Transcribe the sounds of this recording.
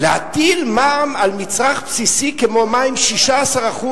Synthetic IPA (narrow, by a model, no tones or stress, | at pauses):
leha̰t̪ilmaamalmit͡sʁaχpsisikemo̞maimʃiʃaːsaʁaχu